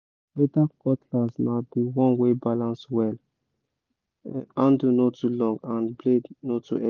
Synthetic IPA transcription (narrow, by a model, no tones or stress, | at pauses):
betakɔtʰlazmabiwɔ̃nwebalãnswɛl | ãndunotʰulɔ̃ŋɡãnblednotʰṵɛ